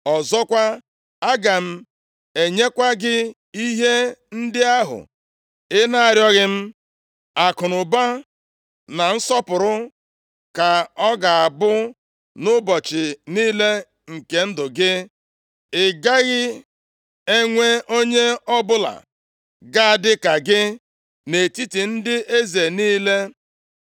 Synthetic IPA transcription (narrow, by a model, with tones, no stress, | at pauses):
ɔ˨zɔ˦kʷa˦ | a˦ɡa˨m̩˦ | e˨ɲe˦kʷa˦ɡɪ˦ | i˦ɦe˦n̩˦dɪ˦a˦ɦʊ̰˨ | ɪ˦na˦a˨ɾjɔ˦ɣɪ˦m̩˦ | a˨kʊ˨nʊ˨ba˦ | na˨n̩˦sɔ˦pʊ˨ɾʊ˦ | ka˨ɔ˦ɡa˨a˨bʊ˦ | nʊ˦bɔ˨t͡ʃɪ˨niː˦le˦ | ŋ̩˨ke˨n̩˦dʊ˨ɡɪ˦ | ɪ˨ɡa˦ɣɪ˦ | e˦ŋʷe˦o˦ɲe˦ɔ˦bʊ˦la̰˨ | ɡa˦a˨dɪ˦ka˨ɡɪ˦ | ne˨ti˦ti˨n̩˦dɪ˦e˦ze˨niː˦le˦